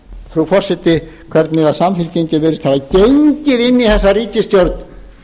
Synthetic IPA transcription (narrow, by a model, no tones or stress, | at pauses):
θɾufɔr̥sɛt̪ːɪkʰvɛɾt̪nɪðasamfɪlceɲcɪvɛːɾɪst̪havacejɲcɪðɪnːiθɛsːariːcɪst̪jowɾt̪n